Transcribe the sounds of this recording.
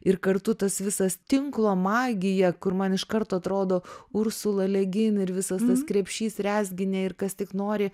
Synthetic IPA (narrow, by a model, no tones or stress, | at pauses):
ɪɾkɐɾt̪ʊt̪ɐsʋʲɪsɐst̪ʲɪŋklˠoːmɑːɡʲɪjɛkʊɾmɐnɪʃkɐɾt̪oːɐt̪ɾoːd̪oːʊɾsʊlˠɐlʲɛɡʲɪnɪɾʋʲɪsɐst̪ɐskɾʲɛpʲʃʲiːsɾʲæːzʲɡʲɪnʲɛːɪɾkɐst̪ʲɪknoːɾʲɪ